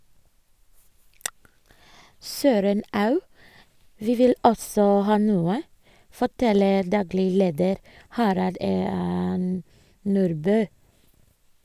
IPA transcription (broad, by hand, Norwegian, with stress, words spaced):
ˈsøːɾən ˈɑʉ ˈʋiː ˈʋɪl ˈɔsɔ ˈhɑː ˈnuːə fɔˈʈɛləɾ ˈdɑːɡlɪ ˈleːdəɾ ˈhɑɾɑld ə m ˈnuːɾbøː